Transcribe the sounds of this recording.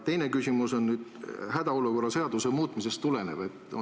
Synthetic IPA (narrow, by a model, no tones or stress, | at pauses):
t̪e̞jne̞kysʲimuso̞nnyːd̪̥hæd̪̥ɑoluko̞rːɑse̞ɑd̪usemuːt̪ˑmise̞st̪ːule̞ne̞̰ve̞t̪ːˑo